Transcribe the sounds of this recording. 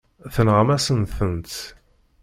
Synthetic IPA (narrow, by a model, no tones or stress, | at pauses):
θənʁəmæsənθənt̪